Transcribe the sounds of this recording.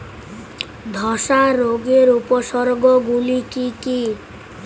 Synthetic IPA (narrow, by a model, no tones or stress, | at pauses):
d̪ʱɔsaɾoɡeɾupɔsɔɾɡɔɡulikiki